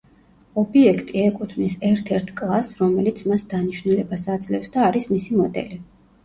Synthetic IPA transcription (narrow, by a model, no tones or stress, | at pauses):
ɔbiɛkʰt̪ʼiɛkʼut̪ʰvnisɛɾt̪ʰɛɾt̪ʰkʼlˠasɾɔmɛlit̪sʰmasd̪aniʃvnulɛbasad̪zlɛfsd̪aːɾismisimɔd̪ɛ̰li